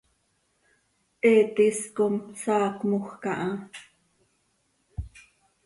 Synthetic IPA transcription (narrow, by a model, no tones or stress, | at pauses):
ʔɛːt̪iskomsɑːkmuxkɑʔɑ